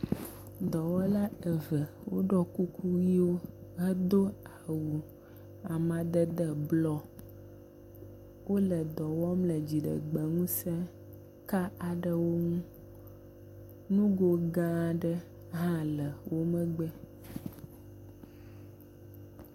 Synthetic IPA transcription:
d̪ɔ˨wɔ˦la˦ə˨və˨ | wo̰˦ɖɔ˦ku˦kʰu˦wi˦wo˦ɦə˦d̪o˦a˨wu˨ | a˨mã˨d̪ə˦d̪ə˦blɔ˦ | wo˦lə˨d̪ɔ˨wɔ˦mlə˨d͡ʑi˨ɖə̰˨ɡ͡bə˨ŋũ˦sɛ˦ | ka˦a˨ɖə˦wo˦ŋũ˦ | nũ˦ɡo˦ɡã˦˨ɖə˦ | ɦã˦lə˨wʔo˦mə̃˦ɡ͡bɛ˦

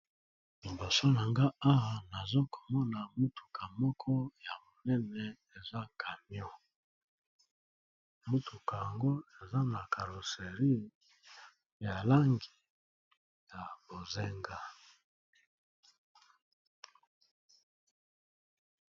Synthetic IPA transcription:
i˨mbo˨so˦na˨ŋɡa˦a˦wa˨na˨zo˦kʰo̥˨mɔ˦na˨mu˦tu̥˨kʰa˨mɔ˦kʰɔ˦ja˨mo˨nɛ˦nɛ˨ | e˨za˦ka˨mjɔ˦ | mu˦tʰu˨ka˨ja˨ŋɡo˦e˨za˦na˨kʰa˨lo˨se˨ʁi˦˨ | ja˨la˦ŋɡi˨ | ja˨bo˨ze˦ŋɡa˦

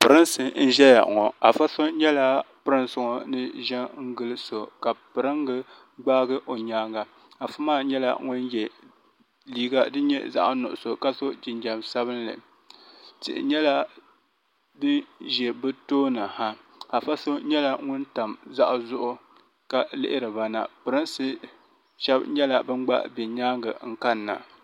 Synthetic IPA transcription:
pɨ˨ɾɨ˦nsɨ˨n̩˦ʒɛ˦ja̰˨ʔŋɔ˨a˨fa˦so˦ɲɛ˦la˦pɨ˦ɾɨ˦nsʊ˨ŋo˨nɨ˦ʒɛ˦ŋ̩˦ɡɨ˦lɨ˦so˨ka˨pɨ˨ɾɨ˦ŋɡɨ˦ | ɡ͡baː˦ɡɨ˦ʔo˨ɲaː˦ŋa˨ | a˨fa˦maː˦˨ɲɛ˦la̰˦ŋʊ˦njɛ˨ | liː˨ɡa˦dɨ˦ɲɛ̰˦za̰˦ʔnʊ̰˨ʔʊ˨so˨ka˦so˦d͡ʒɪ˨nd͡ʒa˨msa˦βɨ˦nlːɨ̰˨ | tɪ̰˨ʔɪ̰˨ɲɛ˦la˦ | dɨ˦ʒɛ˨bɨ˦toː˦nɨ˨ha˦ | ha˨fa˦so˦ɲɛ˦la˦ŋʊ˦nta˨mza˦ʔzʊ˦ʔʊ˦ | ka˨lɪ̰˦ʔɪ˦ɾɨ˨ba˨na̰˨pɨ˨ɾɨ˦nsɨ˦ | ʃɛ˦bɲɛ˦la˦bɨ˦m˦ɡ͡ba̰˦ʔbɛ˨ɲaː˦ŋɡɨ̰˨ŋ̩˦ka˦nːa̰˨

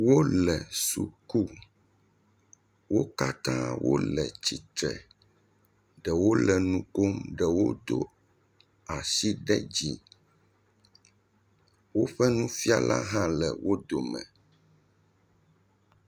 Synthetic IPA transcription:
wo˦lɛ˨su˨ku˦ | wo˦ka˦t̪ã˦wo̰˦lɛ˨t͡ɕi˨t̪ɾɛ˨ | ɖɛ˨wo˦lɛ˨nũ˦ko˦mɖɛ˨wo˦d̪o˦ | a˨si˦ɖɛ˦d͡ʑi˦ | wo˦ɸɛ˦nũ˦fi˦a˦lʔa˦ɦã˦lɛ˨wʔo˦d̪o˨mɛ̰̃˨

